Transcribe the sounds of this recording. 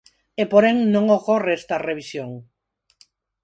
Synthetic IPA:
epoɾeŋnõŋokoreest̪ɐreβ̞isjoŋ

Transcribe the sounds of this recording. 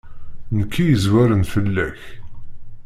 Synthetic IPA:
nəkːijəzwæɾənfəlːæç

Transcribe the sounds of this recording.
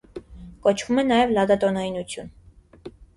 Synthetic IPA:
kɔt͡ʃʰvumɛnɑjɛvlɑd̪ɑt̪ɔnɑjinut͡sʰjun

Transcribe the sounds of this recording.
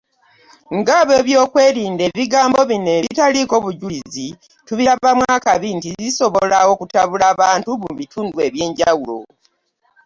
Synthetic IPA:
ŋɡaβe̞βjo̞ːkwe̞ːɾiːnde̞ːβiɡaːmbo̞βine̞βitaliko̞βuɟuizi | tuβiɾaamwaːkaβintiziso̞βolawo̞kutaβulaːβaːntuβuβitʰuːndwe̞βje̞ːɲɟawulo̞̰

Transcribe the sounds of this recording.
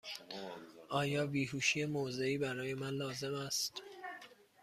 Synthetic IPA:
ʔɒːjɒːbiːɦuːʃiːjemoze̞iːbæɾɒːje̞mænlɒːze̞mæst̪

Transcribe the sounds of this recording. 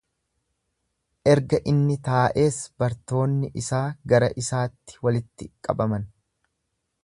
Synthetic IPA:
ʔɛɾɡɐʔɪnːɪt̪aːʔe̞ːsb̥ɐɾt̪o̞ːnːɪʔɪsaːɡɐɾɐʔɪsaːt̪ːɪ̥wɐlɪt̪ːɪkʼːɐ̰bɐmɐn

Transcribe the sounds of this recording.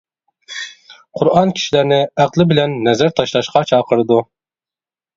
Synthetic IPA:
qʰʊɾɑnkʲʰi̥ʃilæɾnɪæqlˠɪbɪlɛnːɛzæɾt̪ʰɑʃlˠɑʃqɑt͡ʃʰɑːqʰəɾɨd̪u

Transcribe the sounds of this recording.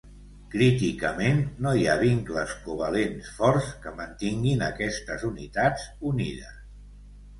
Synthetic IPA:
kɾit̪ikəmenːojaβiŋkləskuβalensfɔrskəmənt̪iŋɡinəkɛst̪əzunit̪ad͡zuniðəs

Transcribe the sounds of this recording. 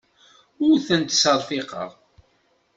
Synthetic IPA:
ʊɾθənt̪səɾˤfiqə̰ʁˤ

